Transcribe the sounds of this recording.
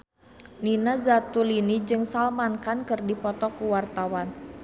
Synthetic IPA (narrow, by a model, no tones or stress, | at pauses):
ninazat̪ulinid͡ʒɨŋsalmankankɨrdipɔt̪ɔkuwart̪awan